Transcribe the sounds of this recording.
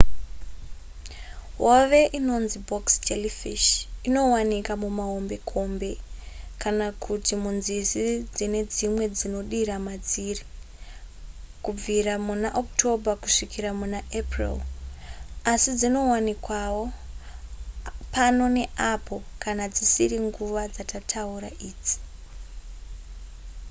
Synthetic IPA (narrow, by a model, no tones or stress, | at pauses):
ɦoʋe̞ʔino̞nzibʱoksd͡ʒelifiʃino̞wanikamumaɦo̞mbe̞kʰo̞mbe̞kanakʰutimunzisid͡zine̞d͡zimwe̞d͡zino̞ɗiɾamad͡ziri | kub͡viɾamunaʔoktʰo̞bʱakuʂikiɾamunaʔeprḭl | asid͡zino̞wanikwawo̞ | pano̞ne̞ʔapo̞kanad͡zisiɾiŋɡuʋad͡zatʰatʰauɾa̰ʔiːd͡zi̥